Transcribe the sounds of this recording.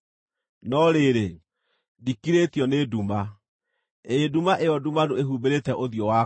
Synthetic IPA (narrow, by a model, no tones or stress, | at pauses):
nɔɾeɾe | dikiɾetjɔneduma | edumaʔeɔdumadoeɦubeɾetɛʔoðjɔwa